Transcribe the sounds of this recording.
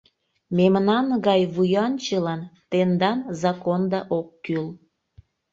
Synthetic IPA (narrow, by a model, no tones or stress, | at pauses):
memnɑnɣɑjβujɑnt͡ɕəlɑnt̪end̪ɑnzɑkond̪ɑʔokːyl